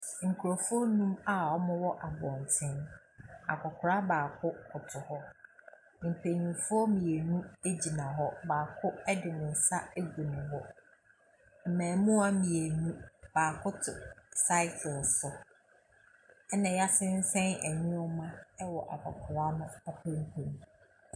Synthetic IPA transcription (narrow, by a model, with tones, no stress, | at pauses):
ŋ̩˨kʰu˨ɾo˨fʊ˦ɔ˦nũ˦ma˨ɔ˦mʊ̃˦wɔ˦ʔa˨bɔ̃˨ntʰɪ̃˦n | a̰˨kʰɔ˨kʰʊ˨ɾa˦baː˨kʰʊ˦kʰʊ˨tʰʊ˨hɔ˦ | m̩˨pʰe˨ɲĩ˨fʊ˦ɔ˦mĩ˨e˨nũ˦e˦d͡ʑi˨nã˨ɦɔ˦baː˨kʰʊ˦ɛ˦dɪ˨nɪ̃˨n̩˨sa˦e˦ɡu˨nɪ̃˨wɔ˦ | m̩˨mæ̃ː˨mũ˦a˦mĩ˨e˨nũ˦b̥aː˨kʰʊ˦tʰʊ˨sa˦ɪ˦kʰʊ˨lsʊ˨ | ɛ˦nã˨ja˦sɪ̃˦n˦sɛ̃˦næ̰˨ɲũ˦ɔ˦mã˦ɛ˦wɔ˨ʔa˨kʰɔ˨kʰʊ˨ɾa˦nʊ̃˦a˦pʰæ̃˦ŋ˦kʰũ˨m˨